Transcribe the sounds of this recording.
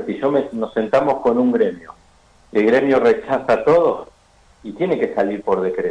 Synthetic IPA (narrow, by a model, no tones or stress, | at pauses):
t̪iʒomenose̞nt̪amo̞sko̞nuŋɡɾe̞mjo | elɣɾe̞mjoret͡ʃasat̪o̞ð̞os | it̪je̞neke̞saliɾpo̞ɾð̞e̞kɾe